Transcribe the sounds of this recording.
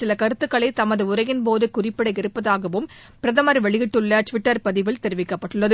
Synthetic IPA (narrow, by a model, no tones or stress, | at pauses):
sɪlɐkɐɾɯt̪ːɯkːɐɭɐɪt̪ɐmɐðɯʊrɐjɪnpoːðɯkʊrɪpːɪɽɐɪɡɪɾɯpːɐðaːɣɐʋɯm | pɪɾɐðɐmɐɾʋɛɭɪɣɪʈːɯɭːɐʈʋɪʈːɐɾpɐðɪʋɪɭt̪ɛɾɯʋɪkːɐpːɐʈːɯɭːɐðɯ